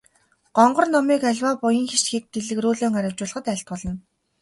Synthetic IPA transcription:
ɢ̥ɔɴɢɞ̆rnɔmiːkæɮʲwaːpʊjə̆ŋxeʃt͡ɕxik̚t̪eɮɘ̆kruːɮoːŋæɾʲɪ̆wt͡ɕʊːɮə̆ʁə̆t̪æɬt̪̚pɔɮɞ̆n

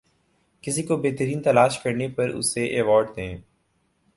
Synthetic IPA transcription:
kɪsikobeːt̪əɾiːnt̪ɐlaːʃkəɾnepɐɾʊ̰seʔeːʋɔːɾɖd̪ẽː

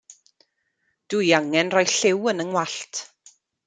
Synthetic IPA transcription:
d̥ujaŋɛnrɔjɬɪwənəŋwaɬtʰ

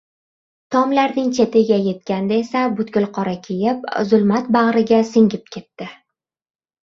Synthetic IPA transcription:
t̪ʰɒmlaɾnɪŋt͡ʃʰe̞t̪ʰɪɡʲaje̞t̪̚kʲand̪ae̞sabʊt̪ɡʲʊlˠqʰɒɾakʲʰejɪp̚zʊlˠmat̪baʁɾɪɡʲasɪŋʲɪp̚kʲʰe̞t̪ːɪ

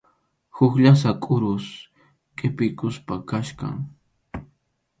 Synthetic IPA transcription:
hʊkʎas̬akʼʊɾʊs | kʼɪpɪjkʊspakaʃka̰ŋ

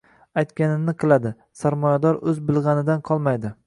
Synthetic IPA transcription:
ajt̪kʲanɪnɪqʰɨlˠad̪ɪ | saɾmɒjad̪ɒɾɵzbɪlˠʁɑnɪd̪anqʰɒlˠmajd̪ɪ

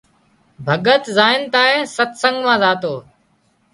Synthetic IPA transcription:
bʱəɠət̪zaːɪnt̪aːẽːsət̪səŋɡmãːzaːt̪oː

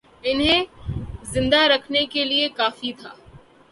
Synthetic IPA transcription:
ɪnɦẽzɪ̃nd̪aɾɐkʰnekeliekaːfit̪ʰaː

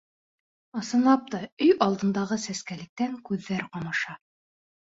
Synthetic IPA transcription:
ɑsɤ̆nlˠɑp̚t̪ɑɵjɑlˠd̪ɤ̆nd̪ɑʁɤsæskælɘ̆k̚t̪æŋkʉðːæɾqɑmɑʃɑ

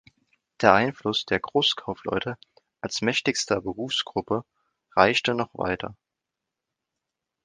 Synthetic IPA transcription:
d̥eːɐʔaɪnflʊsd̥eːɐɡʁoːskʰaʊflɔ̰ʏtə | ʔalsmɛçtɪçstɐbəʁuːfsɡ̥ʁʊpə | ʁaɪçtənɔχv̥a̰ɪtʰɐ̰

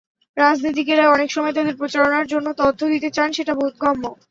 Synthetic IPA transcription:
ɾad͡ʑnit̪̬ikeɾaeɔnekʃɔmɔet̪ad̪eɾpɾot͡ɕaɾonaɾd͡ʑonːot̪ɔd̪ʱːod̪it̪et͡ɕanʃeʈabot̪̚ɡɔmːo

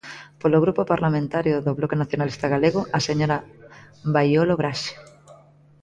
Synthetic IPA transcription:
poloɣ̞ɾupopaɾlamẽnt̪aɾjoðoβlokenaθjonalist̪aɣaleɣoʔaseɲoɾa | bajoloβɾaʃe̥

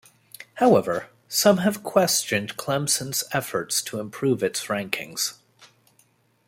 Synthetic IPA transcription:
haʊɛvə˞ | sʌ̃mɨv̥kʰw̥ɛst͡ʃɨ̃nkʰl̥ɛ̃msə̃nz̥ɛfə˞tstʰəə̃mpʰɹ̥ʉvɨtsɹæ̃ŋkʰɪ̰̃ŋz̥

